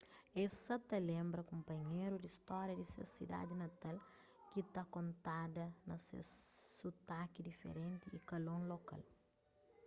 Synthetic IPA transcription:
ɛsɐt̪ɐlẽmbɾɐkõmpɐɲejɾud̪ist̪ɔɾjɐd̪isḛsḭd̪a̰d̪inɐt̪al | kit̪akõnt̪ad̪ɐnɐsḛsut̪akid̪ifḛɾẽnt̪iikɐlõloka̰l

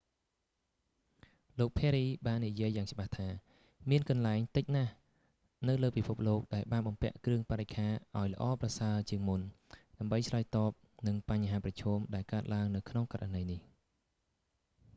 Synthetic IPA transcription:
loːk̚pʰɛɾiːɓaːnːijiəjːaːŋt͡ɕɓaht̪ʰaː | miənkɑnlaɛŋt̪ɨc̚nah | nɨwləːpipʰup̚loːk̚ɗaɛlɓaːnɓɑmpɛ̆əʔkrɨəŋpaɾec̚kʰaːʔaɔjlə̆ʔɑːprasaət͡ɕiəŋmunɗaəmɓəjt͡ɕʰlaəjt̪ɑːp̚nɨŋpaɲɦaːprɑt͡ɕʰɔːmɗaɛlkaət̪̚laəŋnɨwkʰnoŋkaranəjnih

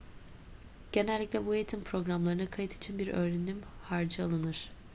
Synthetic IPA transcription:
ɟ̥e̞nɛlʲːiclʲɛbuje̞t̪ʰimpʰɾo̞ɡɾamlˠaɾɯnakʰajɯt̪ʰi̥t͡ʃʰinbiɾʔø̞̰ːɾenʲimhaɾd͡ʒɯalˠɯnɯɾ̥

